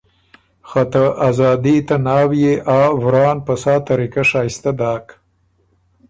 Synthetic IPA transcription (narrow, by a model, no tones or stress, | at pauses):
xat̪aʔazɑːd̪it̪anɑːwjeʔɑːvɾɑːnpasɑːt̪aɾikaʂɑːjst̪ad̪ɑːk